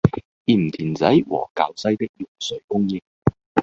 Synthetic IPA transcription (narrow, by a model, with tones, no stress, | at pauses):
iː˨˩m̩˨t̪ʰiː˨˩nt͡sɐ˨˥jwɔ̰ː˨˩kaː˨wsɐ˥jt̪ɪ˥k̚jʊ˨˩ŋsɵ˨˧ɥkʊ˥ŋjɪ˥ŋ